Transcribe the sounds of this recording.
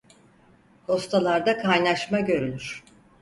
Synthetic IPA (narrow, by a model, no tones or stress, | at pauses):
ho̞st̪ʰalˠaɾd̪akʰajnaʃmaɟø̞ɾylʲyɾ̥